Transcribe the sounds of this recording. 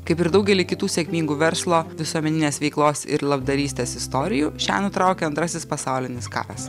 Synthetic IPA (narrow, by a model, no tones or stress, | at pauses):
kɐɪpɪɾd̪ɐʊɡʲɛlʲiːkʲɪt̪uːsʲɛkʲmʲiːŋɡuːʋʲɛɾslˠoːʋʲɪsuɔmʲɛnʲɪnʲeːsʋʲɛɪklˠoːsɪ̰ɾlˠɐbd̪ɐɾʲiːsʲt̪ʲeːsɪst̪oːɾʲɪjuːʃʲæ̰ːnʊt̪ɾɑʊkʲɛɐnt̪ɾɐsʲɪspɐsɑʊlʲɪnʲɪskɑ̰ːɾɐs